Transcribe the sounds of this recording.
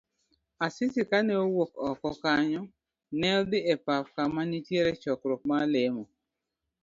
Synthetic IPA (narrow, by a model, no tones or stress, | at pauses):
asɪtɪkanɛowokɔkɔkaɲɔ | nɛld̪ɪepafkamanitjeɾet͡ʃɔkɾok̚malemɔ